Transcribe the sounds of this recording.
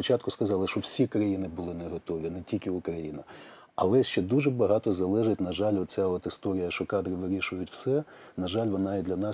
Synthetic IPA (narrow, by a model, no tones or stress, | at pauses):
ɔt͡ʃɑt̪kʊskɐzɑlˠɪʃɔwsʲikɾɐjinɪbʊlˠɪnɛɦɔt̪ɔʋʲinɛtʲilʲkʲɪʊkɾɐjinɐ | ɐlˠɛʃt͡ʃɛd̪uʒɛbɐɦɑt̪ɔzɐlˠɛʒɪt̚ʲnɐʒɑlʲɔt̪t͡sʲaɔt̪ɪst̪ɔɾʲɪjɐʃɔkɑd̪ɾɪʋɪɾʲiʃʊjʊtʲw̥sɛ | nɐʒɑlʲʋɔnɑid̪lʲɐnɑ